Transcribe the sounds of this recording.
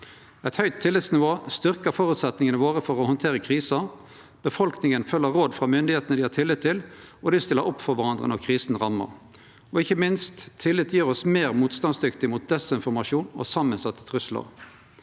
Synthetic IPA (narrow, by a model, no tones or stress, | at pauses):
ɛt̪hœʏt̪ʰːɪlːɪt̪snɪʋoːst̪ʏʁkəfɔɾʉːt̪sɛt̪nɪŋənəʋoːʁəfɔʁɔhɔnt̪ʰeːʁəkʰʁiːsɑ | b̥əfɔlknɪŋənfœlːəʁoːd̪fʁɑmʏnd̪ɪheːt̪ənəd̪ɪhɑːt̪ʰɪlːɪt̪ʰːɪlɔd̪ɪst̪ɪlːəɾʔɔpːfɔɾʋæʁɑnd̪ʁə̰nɔʁkʰʁiːsnʁɑmːə̰ʁ | ɔɪçːəmɪnst̪ʰːɪlːɪt̪ʰːjiːʁɔsmeːʁmuːt̪st̪ɑnsd̪ʏkt̪ɪmʊt̪̚d̪ɛsɪnfɔʁmɑʂuːnɔ̰sɑmːənsɑt̪ʰːə̥t̪ʰʁʉslə̰ʁ